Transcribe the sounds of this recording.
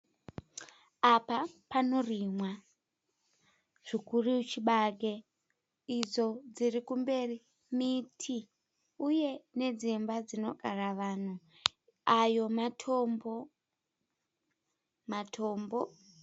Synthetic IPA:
apapano̞rimwa | ʐ̥ikuriut͡ʃiɓaɡe | id͡zo̞d͡zirikumbe̞ri | mitʰi | uje̞ne̞d͡zimbad͡zino̞̰kʼaraʋaːn̤u | ajo̞matʰombo | matʰoːmbo

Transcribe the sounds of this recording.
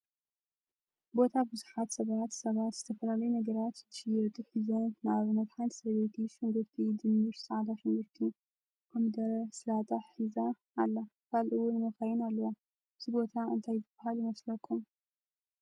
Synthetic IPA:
bo̞t̪ʰabɨzuħat̪sɐβat̪sɐβat̪z̥ɨt̪ʰɐfɐlalɐjunɐɡɐɾat̪zɨʃɨjɨɾt̪ʼɨħizonnaβmɐt̪ħansɐɾβet̪ʰiʃɨŋɡɨɾt̪ʰid̪ɨmːiɾsaʕd̪aʃɪŋɡɨɾt̪ʰi | ʔamd̪ɐɾɐsɨlat̪ʼaħizaː | lːakʰalʔɨwʊnmɐxajɪnalːɐwa | z̥ɨbo̞t̪ʰaɨ̰nt̪ʰajzɨb̥ːahaljɪmɐslɐkʰːum

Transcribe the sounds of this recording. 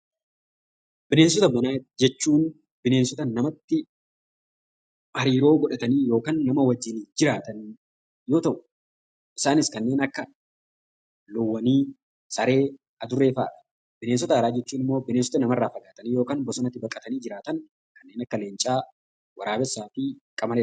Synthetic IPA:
bɪne̞ːns̬ɔt̪ɐbɐnaːd͡ʒɛt͡ʃːuːn | bɪneːnsɔt̪ɐnːɐmɐt̪ːɪ | mɐɾiːɾo̞ːɡɔᶑɐt̪ɐniːjo̞ːkaːnːɐmɐwɐd͡ʒɪniːd͡ʒɪɾaːt̪ɐn | jo̞ːt̪ɐʔʊ̥ | ʔɪsaːnɪskɐnːe̞ːnɐkːɐ | lɔwːɐniː | sɐɾe̞ː | ɐd̪ʊrːe̞ːfa̰ːᶑɐ̥ | bɪneːnsɔt̪ɐɐɾaːd͡ʒɛt͡ʃːuːnɪmːo̞ːbɪnensɔ̥t̪ɐnɐmɐrːaːfɐɡaːt̪ɐniːjoːkaːnbɔsɐnɐt̪ːɪbɐkʼːɐt̪ɐniːd͡ʒɪɾaːt̪ɐn | kɐnːe̞ːnɐkːɐle̞ːnt͡ʃʼaː | wɐɾaːbɛsːaːfiːkʼɐmɐle

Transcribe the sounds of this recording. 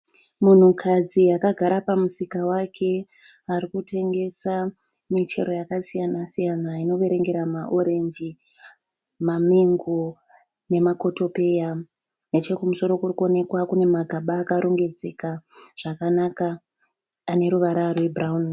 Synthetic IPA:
mun̤ukʰad͡ziakaɡʱaɾapamusikawakʰe̞ | aɾikute̞ŋɡe̞sa | mit͡ʃe̞̰ɾo̞jakasijanasijanaino̞ʋe̞ɾe̞ŋɡe̞ɾamaʔo̞ɾe̞nd͡ʒi | mamiŋɡo | ne̞mako̞to̞pe̞ja | ne̞t͡ʃe̞kumuso̞ɾo̞kurikuo̞ne̞kwakune̞maɡʱaɓaːkaɾoŋɡe̞d͡ze̞kaʐ̥akanakaː | ne̞ɾuʋaɾarwe̞braun

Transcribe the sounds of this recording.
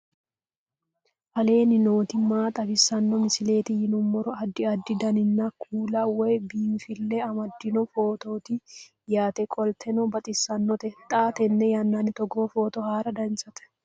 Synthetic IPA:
ʔɐle̞ːnɪno̞ːt̪ɪmːaːt̪ʼɐbɪsːɐnːɔmɪsɪle̞ːt̪ɪjɪnʊmːɔɾɔɐd̪ːɪɐd̪ːɪd̪ɐnɪnːɐkʰuːlɐwɔjbiːmfɪlːɛɐmɐd̪ːɪnɔfo̞ːt̪o̞ːt̪ɪ | jaːt̪ɛkʼɔlt̪ʰɛnɔbɐt̪ʼɪsːɐnːɔt̪ɛt̪ʼaːt̪ɛnːɛjɐnːanɪt̪ɔɡoːfo̞ːt̪ɔhaːɾɐd̪ɐnsɐt̪ɛ̥

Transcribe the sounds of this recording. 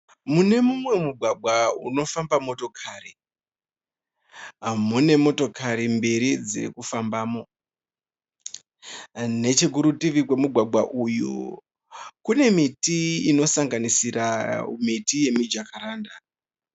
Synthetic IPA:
mune̞mumwe̞muɡʱwaɡʱwaṵno̞fambamo̞to̞kʰari | ɦamune̞mo̞to̞kʰaɾimbeɾid͡zḛkufambaːmo̞ | ne̞t͡ʃe̞kuɾutiʋikwe̞muɡʱwaɡʱwaʔujṵ | kune̞mitiino̞saŋɡanisiramitije̞mid͡ʒakaɾaːnda

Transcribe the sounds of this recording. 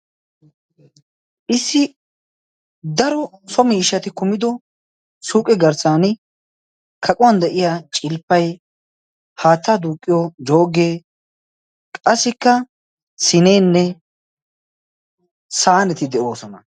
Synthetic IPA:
ʔɪsːɪ | d̪ɐɾɔsɔmiːʃːɐt̪ɪkʊmɪd̪ɔ | suːkʼɛɡɐɾsaːn | kʰɐkʼʊwɐnd̪ɛʔɪjat͡ʃʼɪlpːɐj | haːt̪ːaːd̪uːkʼːɪjɔd͡ʒo̞ːɡeː | kʼɐsːɪkːɐ | sɪne̞ːnːɛ | saːnɛt̪ɪd̪ɛʔo̞ːsɔnɐ

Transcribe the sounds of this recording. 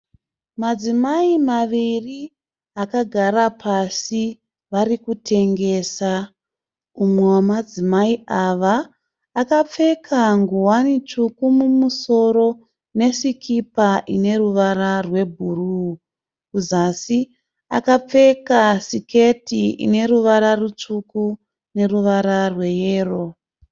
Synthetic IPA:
mad͡zimaimaʋiri | akaɡʱaɾapʰasi | ʋaɾikutʰe̞ŋɡe̞ːsa | umwwamad͡zimaiaʋaː | kap͡fe̞kʰaŋɡuwanit͡ʃukumumuso̞ɾo̞ | ne̞sikʰipaʔine̞ruʋaɾarwe̞bʱuruː | kuzasi | a̰kap͡fe̞kasike̞tiḭne̞ɾuʋaɾarut͡ʂuku | ne̞ruʋaɾarwe̞je̞ːro̞

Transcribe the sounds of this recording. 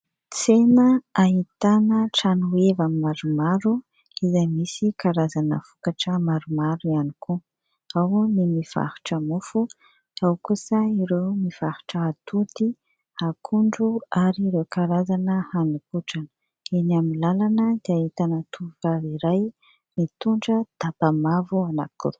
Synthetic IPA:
t͡senəaɦit̪anəʈ͡ʂanuevammaɾumaɾu | izajmisikaɾazanə̰fu̥kaʈ͡ʂəmaɾumaɾuianikʰu | awnimiv̥a̰hu̥ʈ͡ʂəmufu | awkusəiɾewmiv̥ahu̥ʈ͡ʂəat̪ut̪i | hakʰuɳɖ͡ʐuaɾiɾewkaɾazanəhanukuʈ͡ʂanə̥ | enamilalanəd̪eahit̪anət̪ʰuvaiɾaj | mit̪uɳɖ͡ʐəd̪̥abamavuana̰kṵ

